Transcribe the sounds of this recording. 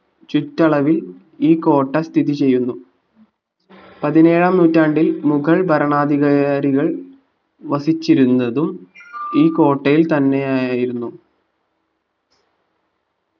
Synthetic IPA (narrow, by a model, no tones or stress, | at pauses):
t͡ɕutːɐɭɐʋil | iːko̞ːʈːɐst̪ʰiðit͡ɕe̞jːunːu | pɐðine̞ːɻɐmnuːtːaːɳɖilmukʰɐɭbɐɾɐɳaːd̪iɣɐjaːɾiɣɐɭ | ʋɐsit͡ɕːiɾunːɐðumiːko̞ːʈːɐjilt̪ɐnːe̞jaːjaːjiɾunːu